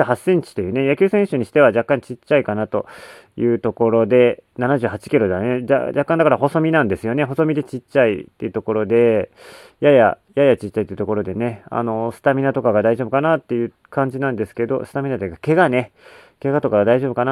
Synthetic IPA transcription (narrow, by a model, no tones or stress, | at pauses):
hasẽ̞ɲ̟t͡ɕi̥t̪ejɯ̟ːnejakʲɨːsẽɕoɲ̟iɕi̥t̪e̞βaʑakːãɲ̟t͡ɕit͡ɕːaikanat̪o̞ | jɯ̟ːt̪o̞ko̞ɾo̞d̪e̞nanaʑɨːɦat͡ɕi̥kʲiɾo̞d̪anea̰d͡ʑakːãnd̪akaɾaho̞so̞mʲinãnd̪e̞sɨjone̞ɦo̞so̞mʲid̪e̞t͡ɕit͡ɕːaḭt̪ːe̞̰iɯ̟t̪o̞ko̞ɾo̞d̪e̞ | jaja̰ | jajat͡ɕit͡ɕːait̪eiɯ̟t̪o̞ko̞ɾo̞d̪e̞ne̞a̰no̞sɨ̥t̪amʲinat̪o̞kaɡad̪aiʑo̞ːbɯkanat̪ːe̞jɯ̟ | kʰãɲ̟d͡ʑinãnd̪e̞sɨ̥ke̞d̪o̞̰sɨ̥t̪amʲinat̪oɡake̞ɡane̞ | ke̞ɡat̪o̞kaɡad̪aiʑobɯ̟kana